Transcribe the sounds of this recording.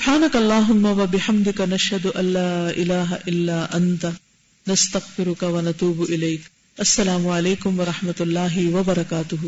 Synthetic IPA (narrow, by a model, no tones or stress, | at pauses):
sʊbħaːnɐkɐɐlˤːaːɦʊmːɐʋɐbɪħɐmd̪ɪkanɐʃhɐd̪ʊʔɐlːaːʔɪlaːɦa̰ʔɪlːaːʔɐnt̪a | nɐst̪ɐɣfɪɾʊkɐwɐnɐt̪uːbʔɪlɐjk | ʔɐsːɐlaːmʊʕaleːkʊmʋɐɾˤɑħmɐt̪lːaːɦɪwɐbɐɾˤɐkaːt̪ʊɦ